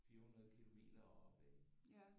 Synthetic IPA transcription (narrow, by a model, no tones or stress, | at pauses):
fiːɐhunɐðˠkʰilomḭːd̥ɐɒɒb̥e